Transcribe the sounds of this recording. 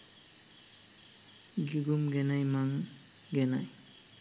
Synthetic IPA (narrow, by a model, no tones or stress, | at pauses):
ɡiɡumɡɛnajmaŋ | ɡɛna̰j